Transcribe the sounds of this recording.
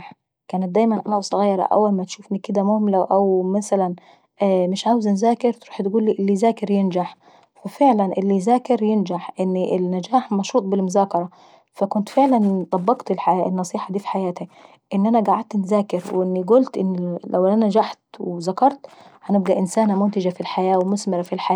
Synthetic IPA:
ħ | kæːnɪt̪̚d̪æːjmænʔænæʔɑsˤɑɣæjːɑɾˤɑ̰ʔæ̰wːælmæt̪ʃuːfnikɪd̪æmʊhmlæʔæwmasælæn | ʔæmɪʃʕaːwɪznzaːkɪɾt̪ɾuːħt̪ɡuːlːiːʔɪlːiːzaːkɪɾjɪnd͡ʒaħ | wɪfeʕlænʔɪlːizaːkɪɾjɪnd͡ʒaħʔɪnːiʔlːad͡ʒaːħmɑʃuːt̪ˤbɪlmʊzaːkɑɾˤɑ | fakʊnt̪fɪʕlant̪ˤɑbːɑɡt̪ɪlħaɪnːɑsˤiːħɑd̪iːfi̥ħajaːt̪i | ʔɪnːʔanaɡaʕad̪̚t̪nzaːkɪɾwʔɪnːiɡʊlt̪ʔɪ̰nːla̰wʔnand͡ʒaħt̪wzakɑɾˤt̪hanɪb̚ɡæʔɪnsaːnamʊnt̪ɪd͡ʒafilħajaːwɪmʊsmɪɾafilħajaː

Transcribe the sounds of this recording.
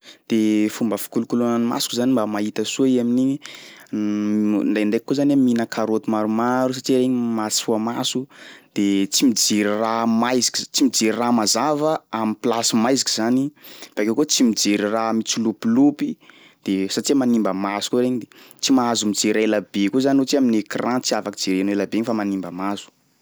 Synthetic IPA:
d̪̥efumbəfi̥kulukulonanima̰su̥kuzanimbamait̪əsuaiaminiɲi | nɖ͡ʐajnɖ͡ʐaek̚ikozanaminəkʰaɾot̪imaɾumaɾus̬aʈ͡ʂiɾeɲimat͡si̥fuamasud̪̥et͡simid͡ʒiɾiramajzi̥kizt͡simid͡ziɾiramazavəamiplasimajzi̥kizanifakewkot͡simid͡zeɾiramit͡sulupilupi | d̪̥esaʈ͡ʂimanimbəmasu̥kuɾeɲid̪et͡simaazumid͡zeɾaelabekuzanot͡siaminekrʔãt͡siavakid͡zeɾenelabeɲifamanimbəmazu̥

